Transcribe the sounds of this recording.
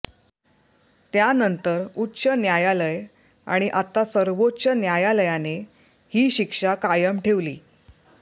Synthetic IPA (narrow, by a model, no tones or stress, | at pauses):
t̪janənt̪əɾutːɕənjajaləj | a̰ɽ̃iʔat̪asəɾʋot͡ɕənjajaləjane | hiːɕikʂakajəmʈʰeʋlḭː